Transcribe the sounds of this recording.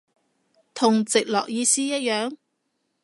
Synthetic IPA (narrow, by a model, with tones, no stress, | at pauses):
t̪ʰʊ˨˩ŋt͡sɪ˨k̚lɔ̰ː˨k̚jiː˧siː˥jɐ˥t̚jœː˨˥ŋ